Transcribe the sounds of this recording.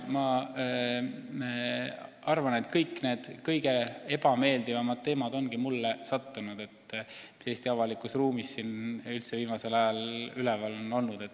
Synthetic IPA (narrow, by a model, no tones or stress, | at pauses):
mɑ | ɑrvɑne̞t̪kɤjkːˑne̞ːd̪̥kɤjɡe̞e̞b̥ɑme̞ːld̪ivɑmɑd̪̥̚t̪e̞ːmɑd̪̥o̞nɡ̥imulːesɑt̪ːunud̪̥e̞t̪ː | se̞ːsʲt̪iɑvɑlikusruːmisːinylt̪se̞viːmɑse̞lɑjɑlylevɑlo̞no̞lnud̪̥e̞t̪ː